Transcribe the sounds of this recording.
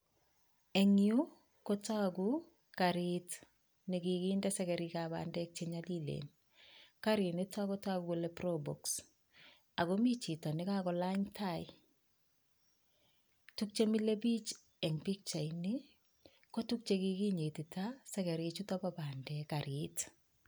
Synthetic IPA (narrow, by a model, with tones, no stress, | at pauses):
ɛ˨ŋju˦ | kota˦ku | ka˨ɾɪt | nɪ˨ki˨kiːndɛsɛkɛ˨ɾikaba̰ndɛk̚t͡ʃeɲalilḛn | ka˦ɾi˨nɪ˦ta˦kɔ˦ta˦ɡukolɛ˦probɔ˨ks | a˨kɔmi˦t͡ʃi˨tɔ˨nɪka˦kɔ˨la˦ɲtʰa˦ɪ | tuk̚t͡ʃe˦mi˦le˦bi˦t͡ʃ | ɛŋbi˦k̚t͡ʃa˨ini | ko˦tuk̚t͡ʃekiki˦ɲe˨ti˨tasɛkɛ˨ɾit͡ʃu˦tɔ˦baba˨ndɛkaɾɪt